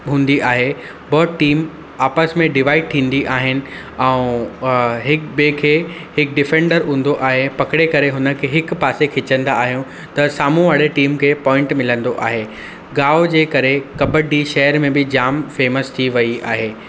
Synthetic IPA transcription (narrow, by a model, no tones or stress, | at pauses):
ɦũːn̆d̪iʔaːɦe | bɔːt̪ʈiːm | aːpəsmẽɖɪʋaːɪɖ̚t̪ʰĩːn̆d̪iʔaːɦɪnɪ̆ | ɛ̃ũ | ɦɪkbeːkʰe | hɪk̚ɖɪfẽːɳɖəɾɦũːn̆d̪oʔaːɦepɐkɪɽekɐɾeɦʊnə̆kʰeɦɪkpaːsekʰɪt͡ɕə̃nd̪aːɦijõ | t̪ɐsaːmũʋaːɽeʈiːmkʰeːpɔːɪ̃ɳʈmɪlə̃nd̪oʔa̰ːɦe | ɡaːod͡ʑeːkɐɾekɐbəɖiʃɐɦəɾmẽbɪd͡ʑaːmfeːməst̪ʰiʋɐia̰ːɦeː